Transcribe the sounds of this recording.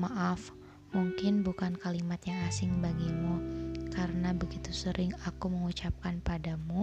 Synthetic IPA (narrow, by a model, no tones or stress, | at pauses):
maʔaf | muŋkɪnbukankalimat̪jaŋasɪŋbaɡimukaɾənabəɡit̪usəɾʔɪŋakuməŋut͡ʃap̚kanpadamu